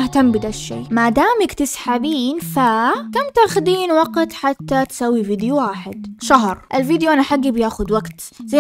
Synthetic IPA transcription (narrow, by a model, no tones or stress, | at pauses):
aht̪ambɪd̪aʃʃːḛːmad̪aːmakt̪ɪsħabiːnfakamt̪aːxʊd̪iːnwɑɡt̪ħat̪ːat̪sawːiviːd̪juwaːħɪd̪ʃaɦɾʔɪlviːd̪joʔanaħaɡːibjaːxʊd̪waɡt̪za